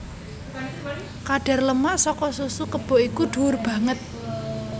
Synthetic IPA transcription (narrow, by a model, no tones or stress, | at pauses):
kaɖ̥a̤rləmasɔkɔsusukəb̥ɔ̤ʔikuɖ̥ṳʊrb̥ä̤ŋət̪̚